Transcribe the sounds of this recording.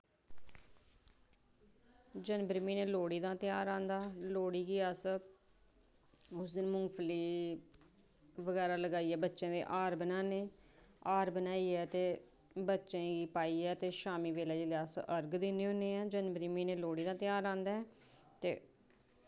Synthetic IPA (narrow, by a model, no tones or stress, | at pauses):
d͡ʒənbɾmiːneːloːɽiːd̪ãːt̪ɪjaːɾãːnd̪aːloːɽiːɡiaːs | ʊsd̪ɪnmʊŋɡpʰliː | ʋəɡɛːɾaːləɡaːiːɛːbətːʃẽːd̪ḛːʔaːɾbənãːneː | aːɾbənaːiːɛːt̪eː | bətːʃẽːɡiːpaːiːɛːt̪eːʃaːmiːʋeːlɛːd͡ʒeːlɪaːsʔəɾɡd̪ɪneːʊneːɛːd͡ʒənbɾiːmiːneːloːɽiːd̪ãːt̪ɪjaːɾãːnd̪aːɛ | t̪ḛː